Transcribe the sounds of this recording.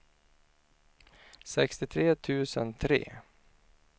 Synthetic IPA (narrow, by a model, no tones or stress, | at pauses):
sɛkst̪ɪt̪ʰɾeːt̪ʰʉ̟ːsənt̪ʰɾḛː